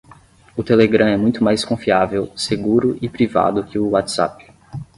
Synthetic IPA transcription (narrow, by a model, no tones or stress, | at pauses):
ʊt̪eleɡɾɐ̃ɛmũj̃t̪ʊmajskõfiavewseɡuɾʊʔɪpɾiva̰d̪ʊkɪʊwat̪sa̰p